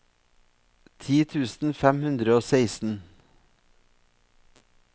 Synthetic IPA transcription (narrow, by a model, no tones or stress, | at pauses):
t̪ʰiːt̪ʰʉːsn̩fɛmhʉnd̪ɾəoːseɪsn̩